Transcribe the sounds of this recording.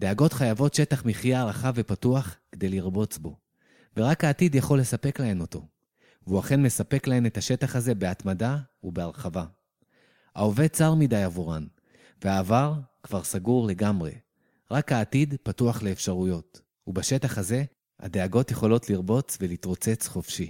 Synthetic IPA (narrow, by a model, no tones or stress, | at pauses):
d̥eaɡo̞tχajavo̞tʃe̞taχmiχijaʁaχave̞patuaχked̪e̞jliʁbo̞t͡sbo̞ | veʁakaːtidjaχo̞lːe̞sape̞klae̞no̞to̞ | veuaχe̞nme̞sape̞klae̞metaʃe̞taχhaze̞beatmadaubeaʁχava | ha̰ove̞t͡saʁmidajavuʁan | veaːvaʁkv̥aʁsaɡuʁle̞ɡamʁe̞̰ | ʁakhaːtidpatuaχle̞ːfʃaʁujo̞t | ubaʃetaχaze̞ | ha̰de̞aɡo̞t̪je̞χo̞lo̞t̪liʁbo̞t͡svelit̪ʁo̞t͡se̞t͡sχo̞fʃi